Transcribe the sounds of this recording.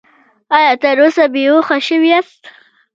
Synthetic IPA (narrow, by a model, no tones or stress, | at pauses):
ɑjɑt̪əɾosabeoxaʃəwiast̪